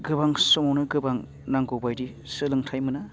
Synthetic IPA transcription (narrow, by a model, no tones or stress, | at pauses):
ɡɯbaŋsɔmawnɯɡɯbaŋ | naŋɡɯwbajdi | sɯlɯŋtʰajmɯna